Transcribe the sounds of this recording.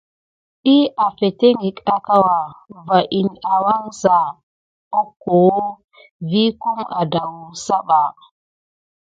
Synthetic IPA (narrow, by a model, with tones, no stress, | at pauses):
i˦a˨fe˨te˦ŋi˨ka˨ka˦wa˨va˨ʔi˨na˨wa˦ŋsa˨ | o˦kːo˨wo˦ | vi˦ku˦ŋa˨da˨wu˨sa˦ɓa˨